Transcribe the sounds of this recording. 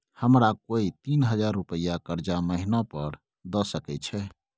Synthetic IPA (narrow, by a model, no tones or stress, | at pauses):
həmɾakoit̪inɦəd͡ʒaɾːupəjakəɾd͡ʒaməɦinɔpəɾ | d̪ɔsəkɛt͡ʃʰɛ